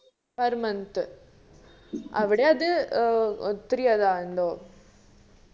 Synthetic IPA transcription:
pɐɾmɐnt̪ɯ | ʔɐʋɪɽeɐðɯ | t̪ɪɾɪjɐðaːɾɯnd̪oː

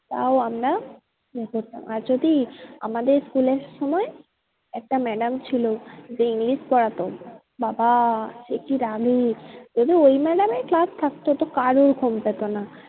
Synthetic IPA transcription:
t̪a̰oamɾa | ekoɾt̪a̰maɾd͡ʑod̪ia̰mad̪eɾskuleɾʃɔmɔe | ɛk̚ʈamɛɖamt͡ɕʰilod͡ʑeiŋliʃpɔɽat̪o | babaʃekiɾaɡid͡ʑod̪ʱiojmɛɖameklast̪ʰakt̪ot̪okaɾoɾkʰompet̪ona

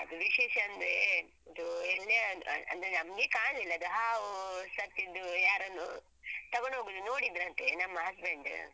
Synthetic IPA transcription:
ɐd̪uʋiʃeːʃɐɐnd̪ɾe | ɐd̪uelːeɐ̰nd̪ɐɾenɐmɡeːkaːɳilːɐɐd̪uɦaːʋusɐt̪ːid̪ːujaːɾɐnːu | t̪ɐɡoɳɖɦoːɡuːd̪unoːɽid̪ɾɐnt̪enɐmːɐɦɐsbeɳɖ̰

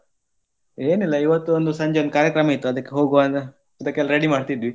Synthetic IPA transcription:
eːnilːɐiʋɐt̪ːuond̪usɐɲd͡ʒeond̪ukaːɾjɐkɾɐmɐit̪ːuɐd̪ɐkːeɦo̞ːɡuʋan | ɐd̪ɐkːeɛlːɐɾeɽimaːɖt̪id̪ʋi

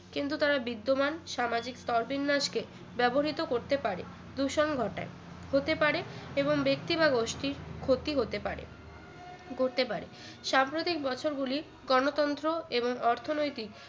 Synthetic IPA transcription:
kint̪ut̪aɾabid̪ːomanʃamad͡ʑikst̪ɔɾbinːaʃke | bɛboɦit̪okoɾt̪epaɾḛ | d̪uʃonɡʱɔʈa̰e | hot̪epaɾeeboŋbek̚t̪ibaɡoʃʈiɾkʰot̪iɦot̪epaɾḛ | koɾt̪epaɾe | ʃampɾot̪ik̚bɔt͡ɕʰoɾɡuli | ɡɔnot̪ɔnt̪ɾoeboŋɔɾt̪ʰonojt̪ik

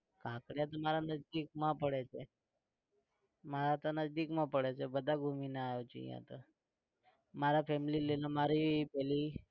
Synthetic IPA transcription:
kãkɽjat̪ɔmaɾanəd͡ʒd̪ikmãpəɽet͡ʃʰe | maɾat̪ənəd͡ʒd̪ikmãpəɽet͡ʃʰebəd̪ʱaɡʱuminaajot͡ʃḭjã̰t̪ə | maɾapɛmililelamaɾipɛli

